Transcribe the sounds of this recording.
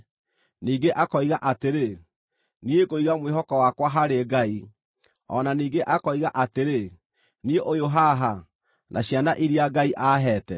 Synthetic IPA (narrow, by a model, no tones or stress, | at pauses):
niːɡeʔakɔiɣaʔateɾe | niekoiɣamweɦɔkɔwakwaɦaɾeɡai | ɔ̰naniːɡeʔakɔiɣaʔateɾe | nieʔojoɦaɦa | nʔaɕjanaʔiɾiaɡaiʔaːɦɛːtɛ